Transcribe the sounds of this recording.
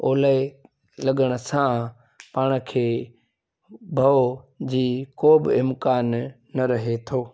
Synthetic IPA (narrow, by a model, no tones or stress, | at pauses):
oːle | lɐɠəɽ̃ə̆sã | paːɽ̃kʰeː | bʱɐod͡ʑiːkoːbɪɪmkaːnː | ɐɾɐɦet̪ʰoː